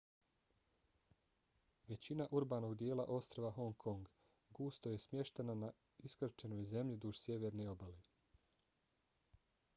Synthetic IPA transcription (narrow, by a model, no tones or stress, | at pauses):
ʋe̞t͡ɕinaʔuɾbaːno̞ɡd̪jeːla̰ʔo̞st̪ɾoʋaɦo̞ŋkʰo̞ŋɡ | ɡuːst̪oje̞smje̞ʃt̪e̞nana | iskr̩t͡ʃe̞nojze̞mʎid̪uʒsʲje̞ʋe̞ɾneo̞bale